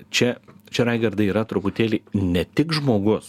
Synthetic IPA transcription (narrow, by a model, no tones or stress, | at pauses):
t͡ʃʲɛt͡ʃʲɛɾɐɪɡɐɾd̪ɐiːɾɐt̪ɾʊpʊt̪ʲeːlʲɪnʲɛt̪ʲɪkʒmoːɡʊs